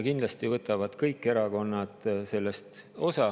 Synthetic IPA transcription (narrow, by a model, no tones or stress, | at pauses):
kind̪lɑst̪ivɤt̪ːˑɑvɑd̪̥kɤjkːˑe̞ɾɑko̞nːɑt̪se̞lːest̪o̞sɑ